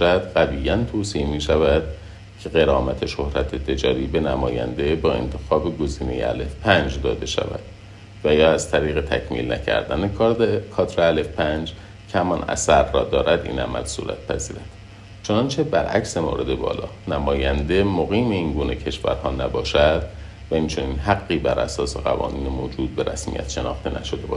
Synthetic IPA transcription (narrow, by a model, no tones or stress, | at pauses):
æd̪̥ɢæviːjːænt̪ʰoːsimiːʃævæd̪̥̚ | cʰeɣe̞ɾɒːmæt̪ʰeʃohɾæt̪ʰet̪ʰe̞d͡ʒɒːɾiːbe̞næmɒːjæ̰nd̪e̞bɒːe̞̰nt̪ʰe̞xɒːbe̞ɡo̞ziːne̞̰jḛæ̰lefpʰænd͡ʒd̪ɒːd̪e̞ʃæ̰væ̰d̪̥̚ | væjɒːæz̥t̪ʰæɾiːɣe̞t̪ʰæ̰cʰmḭːlnæ̰cʰæ̰ɾd̪ænekkʰɒːt̪ɾeælefpʰænd͡ʒ | cʰehæmɒnæ̰sæɾrɒːd̪ɒːɾʔæd̪ḭːnæ̰mæ̰lsṵːɾæ̰t̪̚pʰæziːɾæd̪̥ | t͡ʃʰo̞nɒnt͡ʃʰe̞bæɾʔæcsemo̰ːɾe̞d̪ebɒ̰ːlɒːnæmɒːjænd̪e̞moɣiːmeiːnɡuːne̞cʰe̞ʃvæ̰ɾhɒːnæbɒːʃæd̪̥ | væint͡ʃʰo̞niːnɦæɡːiːbæɾʔæ̰sɒːse̞ɣæ̰vɒ̰ːniːnemoːd͡ʒuːd̪̚be̞ɾæ̰smḭjæ̰t̪ʃe̞nɒ̰ːxt̪e̞næ̰ʃod̪ebɒːʃ